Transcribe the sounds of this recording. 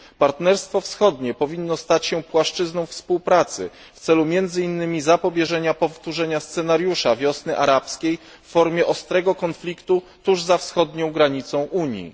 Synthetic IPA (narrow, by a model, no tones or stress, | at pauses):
paɾt̪nɛɾst̪fɔfsxɔd̪ɲɛpɔvʲinːɔst̪at͡ɕɕɛpwaʂt͡ʂɘznɔ̃w̃fspuwpɾat̪sɘ̰ | ft̪sɛlumʲjɛnd̪zɘinːɘmʲizapɔbʲjɛʐɛɲapɔft̪uʐɛɲast̪sɛnaɾjuʂavʲjɔsnɘʔaɾapskʲej | fːɔɾmʲjɛʔɔst̪ɾɛɡɔkɔnflʲikt̪u | t̪uʐzafsxɔd̪ɲɔ̃w̃ɡɾaɲit̪sɔ̃w̃ʔuɲjḭ